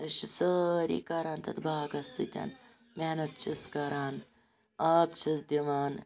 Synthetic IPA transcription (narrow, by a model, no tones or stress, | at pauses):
ʃisəɾḭːkɐɾaːnt̪ɐ̰t̪baːɡɐsḭt̪ʲɐ̰n | menɐt̪̚t͡ʃʰiskɐɾaːn | aːbt͡ʃʰisd̪iʋaːn